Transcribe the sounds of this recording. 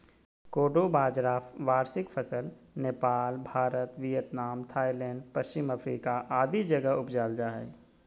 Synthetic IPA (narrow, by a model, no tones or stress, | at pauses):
koːɖobaːd͡ʒɾaːʋaːɾsɪkfʰɐsəl | neːpaːlbʱaːɾət̪ʋijət̪naːmt̪ʰaːilɛ̃ːɳɖpəst͡ʃɪmɐpɾiːkaʔaːd̪id͡ʒɐɡəʊpd͡ʒaːld͡ʒaɦɛ̰ː